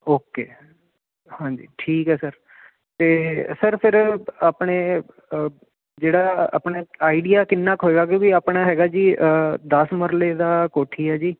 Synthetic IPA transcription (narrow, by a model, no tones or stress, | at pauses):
oːkeː | hãːɲd͡ʒḭːʈʰiːkɦɛːsəɾ | t̪eːsəɾpʰɪɾaːpɳeː | d͡ʒeːɽaːa̰ːpɳeːaːiɖijaːkɪnːaːkɦoːeːɡaːk̬jõːkiaːpɳ̃aːɦɛːɡaːd͡ʒiːəd̪əsməɾleːd̪aːkoːʈʰiːɦɛːd͡ʒiː